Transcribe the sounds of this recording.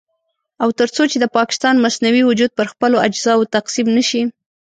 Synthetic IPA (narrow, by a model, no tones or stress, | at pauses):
awt̪əɾt͡sot͡ʃed̪əpɑkɪ̥st̪ɑnmasnawiwʊd͡ʒud̪̚pəɾxpəload͡ʒzɑwt̪aqsimnəʃi